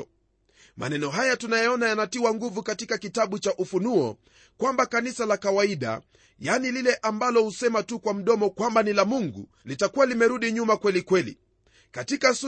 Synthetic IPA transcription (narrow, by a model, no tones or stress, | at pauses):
mʔa̰nɛnɔɦajatunajɛɔnajanatiwaŋɡuvukatikakitaɓut͡ʃaʔufunuɔ | kwambakanisalakawaiɗa̰ | janililɛʔambalɔhusɛmatukwam̩ɗɔmɔkwambanilamuŋɡṵ | litakualimɛɾuɗiɲumakwɛlikwɛlḭ | katikas